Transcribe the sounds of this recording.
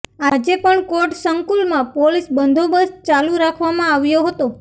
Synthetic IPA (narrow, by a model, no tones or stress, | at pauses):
ad͡ʒepəɳkoʈsəŋkulmãpolisbənd̪ʱobəst͡ʃalũɾakʰʋamãaʋjoɦət̪o